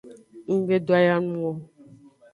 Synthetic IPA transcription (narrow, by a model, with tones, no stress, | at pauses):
ŋ̩˦ɡ͡be˦do˦a˦ja˦nũ˦wɔ˦